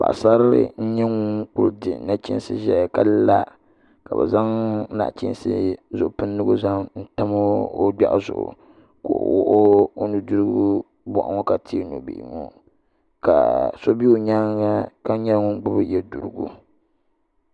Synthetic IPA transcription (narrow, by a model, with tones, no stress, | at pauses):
ba̰˨ʔsa˦ɾɨ̰˦n̩˦ɲɛ˦ŋu˦ŋk͡pʊ˨ɾdɨ˨na˦t͡ʃḭ˦n˦sɨ˦ʒɛ˨ka˦lla˦ | ka˨bɛ̰˨za˦ŋ˦na̰˨ʔt͡ʃi˦nsɨ̰˦zʊ˨ʔʊ˨pɨ˦nː˦ɨ˦ɡu˦za˦ŋn̩˦ta˦mo˦o˦da̰˦ʔzʊ̰˨ʔʊ̰˨ | ko̰˨wɔ˦ʔo˦o˦nɨ˨du˦ɾɨ˦ɡu˦ | bɔ̰˨ʔa̰˦ŋɔ˦ka˨tʰi˦no̰˨bḭ˨ʔŋo˦ | ka̰˨so˦bi˦o˨ɲa˦ŋa˦ka˦ɲɛ˦lŋʊ˦ŋ˦ɡ͡bʊ˦bɨ˦jɛ˨du˨ɾɨ˦ɡṵ˦